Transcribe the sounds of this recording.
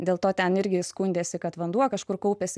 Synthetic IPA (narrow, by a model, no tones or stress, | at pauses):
d̪ʲeːlˠt̪oːt̪ʲɛnɪɾʲɡʲɪskunʲd̪ʲeːsʲɪkɐt̪ʋɐnd̪uɔkɐʃkʊrkɐʊpʲeːsʲɪ